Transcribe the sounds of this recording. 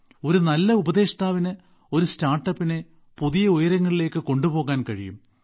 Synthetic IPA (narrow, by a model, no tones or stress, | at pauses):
o̞ɾunɐlːɐubɐðe̞ːʂɐt̪aːʋinɨ | o̞ɾustaːrʈːɐpːine | puðijɐojɐɾɐŋːɐɭile̞ːkːɨko̞ɳɖupo̞ːɣaːnkɐɻijṵm